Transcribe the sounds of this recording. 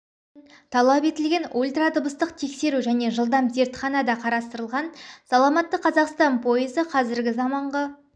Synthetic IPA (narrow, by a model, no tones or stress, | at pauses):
t̪ʰɑlˠɑpe̞t̪ɪlɡʲe̞nulʲt̪ɾat̪əbəst̪əqt̪ʰe̞kse̞ɾuʒæne̞ʒəlˠd̪ɑmze̞ɾt̪χɑnɑd̪ɑqʰɑɾɑst̪əɾəlˠʁɑnsɑlˠɑmɑt̪ːəqʰɑzɑqst̪ɑnpʰo̞jəzəqʰɑzɪɾɡʲɪzɑmɑɴʁɑ